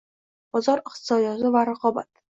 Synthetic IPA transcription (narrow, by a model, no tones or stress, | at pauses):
b̥ɒzɒɾɪχt̪ɪsɒd̪jɒzɪvaɾaqʰɒba̰t̪̚